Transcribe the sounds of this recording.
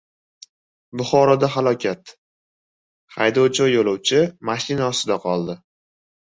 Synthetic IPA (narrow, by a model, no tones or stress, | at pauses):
bʊχɒɾɒd̪aɦalˠɒkʲʰat̪ | χajd̪ɒwt͡ʃɒjolˠɒwt͡ʃʰɪmaʃɪnaɒst̪ɪd̪aqʰɒlˠd̪ɪ